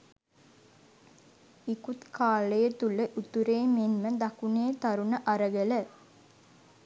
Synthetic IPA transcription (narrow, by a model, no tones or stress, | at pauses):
ikut̪kʰaːləjət̪uləʔut̪uɾeːmenməd̪akuneːt̪aɾunəʔaɾəɡələ